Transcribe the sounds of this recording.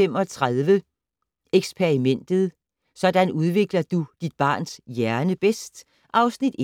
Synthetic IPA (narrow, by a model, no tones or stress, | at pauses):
emɒ̽t͡sʰʁaðˠʋə | eɡ̥spʰe̝ʁimen̰d̥ð̩ˠ | sɒ̽d̥ænuð̞ˠʋe̝ɡ̥lɐd̥ud̥id̥̚b̥ɑ̰̈ːnsjæɐnəb̥esd̥ | ʔɑ̈ʊsnid̥